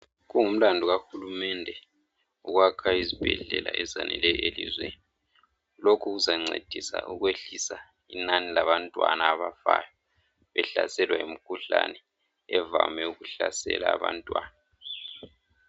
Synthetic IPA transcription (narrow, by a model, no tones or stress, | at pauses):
ɣuŋum̩landʱuɣaxulumɛndʱɛ | uɣwakʰaizib̥ʱɛɮɛlaʔɛzanɛlɛelḭzweni | lokʰuɣuzaŋ͡ǀʱed̥ʱisaʔuɣweɬisa | inanilaβantʼwanaːβafaːjɔ | βɛɬasɛlwaimikʰuɬanɛ | ɛvamɛuɣuɬasɛ̰laːβantʼwaːna